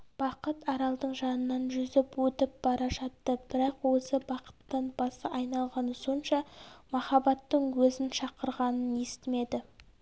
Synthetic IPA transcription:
b̥ɑqət̪ɑɾɑlˠd̪əɴʒɑnənːɑnʒʏzɪpwɵt̪ɪp̚b̥ɑɾɑʒɑt̪ːəb̥ɪɾɑqwosəbɑqə̥t̪ːɑnbɑsəʔɑjnɑlˠʁɑnəso̞nʃɑmɑχɑbɑt̪ːəɴwɵzɪnʃɑqəɾʁɑnəne̞st̪ɪme̞d̪ɪ

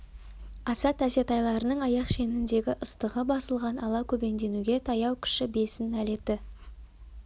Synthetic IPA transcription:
ɑsɑt̪æse̞t̪ɑjlˠɑɾənəɴɑjɑqʃe̞nɪnd̪e̞ɡʲɪʔəst̪əʁəbɑsəlˠʁɑnɑlˠɑkʲʰɵbe̞nd̪e̞nuɡʲe̞t̪ʰɑjɑwkʲʰʏ̥ʃɪbe̞sɪnæle̞t̪ɪ

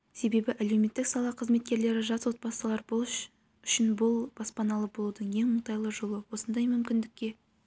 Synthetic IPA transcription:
se̞be̞bɪʔæle̞wme̞t̪ːɪksɑlˠɑqʰəzme̞t̪̚kʲe̞ɾle̞ɾɪʒɑt̪wo̞t̪̚bɑsəlˠɑɾbolˠʃ | ʏʃɪnbʊlˠbɑspɑnɑlˠəbo̞lˠud̪əɴje̞ŋmʊɴt̪ɑjlˠəʒolˠəwo̞sənd̪ɑjmʏmkʲɪnd̪ɪkʲːe̞

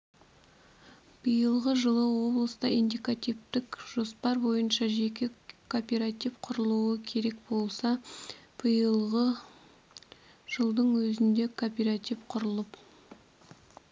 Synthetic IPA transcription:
b̥əjəlˠʁəʒəlˠəwo̞blˠəst̪ɑind̪ijkat̪ijvt̪ɪkʒ̥o̞spɑɾbo̞jənʃɑʒe̞kʲɪkʰopʲeɾat̪ifqʰʊɾəlˠuəkʲʰe̞ɾe̞k̚bo̞lˠsɑb̥əjəlˠʁə | ʒ̥əlˠd̪əɴwɵzɪnd̪e̞kʰopʲeɾat̪ifqʰʊɾəlˠəp

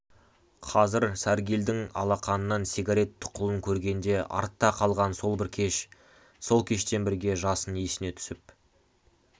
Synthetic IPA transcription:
qʰɑzɪɾsæɾɡʲild̪ɪŋɑ̰lˠɑqɑnənːɑnsʲeɡaɾe̞t̪ʰːʊ̥qʰːʊlˠəŋkʲʰɵɾɡʲe̞nd̪e̞ɑ̰ɾt̪ːɑqʰɑlˠʁɑnso̞lˠbɪɾkʲʰe̞ʃ | so̞lˠkʲʰe̞ʃt̪e̞nbɪɾɡʲe̞ʒɑsənesɪne̞t̪ʰʏ̥sɪp̚

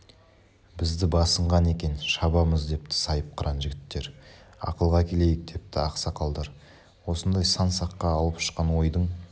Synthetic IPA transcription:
bɪzd̪ɪbɑsəɴʁɑne̞kʲe̞nʃɑbɑməzd̪e̞pt̪ɪ̥sɑjəp̚qʰəɾʔɑnʒɪɡʲɪt̪ːe̞ɾɑ̰qəlˠʁɑkʲʰe̞le̞jɪk̚d̪e̞p̚t̪ɪɑqsɑqʰɑlˠd̪ɑɾ | wo̞sənd̪ɑjsɑnsɑqːɑːlˠəpʃə̥qɑnwo̞jd̪əɴ

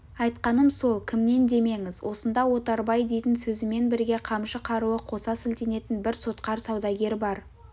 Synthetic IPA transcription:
ɑjt̪qɑnəmso̞lˠkʲʰɪmne̞nd̪e̞me̞ŋɪzwʔo̞sənd̪ɑwo̞t̪ɑɾbɑjd̪e̞jt̪ɪnsɵzɪme̞nbɪɾɡʲe̞qʰɑmʃəqʰɑɾuəqʰo̞sɑsɪlt̪e̞ne̞t̪ɪnbɪɾso̞t̪qɑɾsɑwd̪ɑɡʲe̞ɾbɑɾ

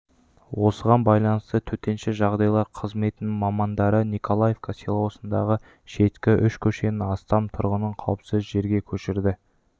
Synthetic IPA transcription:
wo̞səʁɑnbɑjlˠɑnəst̪ət̪ʰɵt̪e̞nʃɪʒɑʁd̪ɑjlˠɑɾqʰəzme̞t̪ɪnɪŋmɑmɑnd̪ɑɾənikʰo̞lˠaje̞vkʰaselˠwosənd̪ɑʁə | ʃe̞t̪kʲɪʔʏʃkʲʰɵʃe̞nɪɑst̪ɑmt̪ʰʊɾʁənəɴqʰɑwəpsəzʒe̞ɾɡʲe̞kʲʰɵʃɪɾd̪ɪ

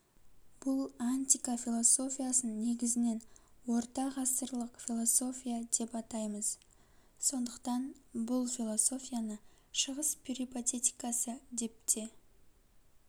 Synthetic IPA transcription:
b̥ʊlˠanʲt̪ijkafʲilˠo̞so̞fʲijasənne̞ɡʲɪzɪne̞nwo̞ɾt̪ɑʁɑsəɾlˠəqfʲilˠo̞so̞fʲijad̪e̞pɑt̪ɑjməz̥ | so̞nd̪əqt̪ɑnbʊlˠfʲilˠo̞so̞fʲijanə | ʃəʁəspʰiɾipot̪e̞t̪ʲijkɑsəd̪e̞p̚t̪ʰe̞

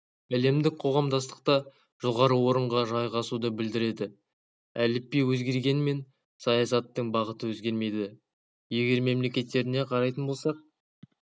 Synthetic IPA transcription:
æle̞md̪ɪk̚qʰo̞ʁɑmd̪ɑst̪ə̥q̚t̪ɑ | ʒ̥o̞ʁɑɾəwo̞ɾəɴʁɑʒɑjʁɑsud̪əbɪld̪ɪɾe̞d̪ɪ | ælɪpːejwɵzɡʲe̞ɾɡʲe̞nme̞n | sɑjɑsɑt̪ːəɴbɑʁət̪əwɵzɡʲe̞ɾme̞jd̪ɪ | je̞ɡʲe̞ɾme̞mle̞kʲe̞t̪ːe̞ɾɪne̞qʰɑɾɑjt̪ənbo̞lˠsɑq̚

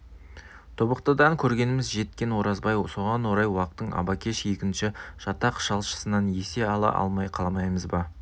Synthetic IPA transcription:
t̪ʰobəqt̪əd̪ɑŋkʲʰɵɾɡʲe̞nɪmɪzʒe̞t̪kʲe̞nwo̞ɾɑzbɑjso̞ʁɑnwo̞ɾɑjwɑqət̪ːəɴɑ̰bɑkʲe̞ʃje̞kʲɪnʃɪʒ̥ɑt̪ɑqʃɑlˠʃə̥sənɑnje̞se̞ɑlˠɑ̰ʔɑ̰lˠmɑjqʰɑlˠmɑjməzbɑ

